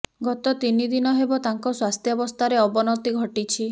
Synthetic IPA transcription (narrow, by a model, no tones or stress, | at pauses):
ɡɔt̪ɔt̪inid̪inɔɦebɔt̪aŋkɔswast̪ʰjɔbɔst̪ʰaɾeɔbɔnɔt̪iɡʱɔʈit͡ʃʰi